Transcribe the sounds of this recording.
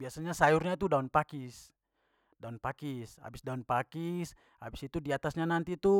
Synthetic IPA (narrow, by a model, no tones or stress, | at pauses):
biasaɲasajurɲat̪udaunpakis | daunpakisa̰bisdaunpakis | ha̰bisit̪udiat̪asɲanant̪it̪u